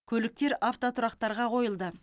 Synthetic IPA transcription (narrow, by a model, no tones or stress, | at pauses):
kʲʰɵlɪk̚t̪e̞ɾʔaft̪ot̪ʰʊɾɑqt̪ɑɾʁɑqʰo̞jəlˠd̪ə